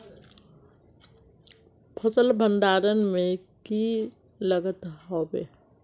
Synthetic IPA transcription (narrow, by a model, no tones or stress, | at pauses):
pʰəsəlbʱə̃nd̪aːɾənmẽki | ləɡət̪ɦobḛ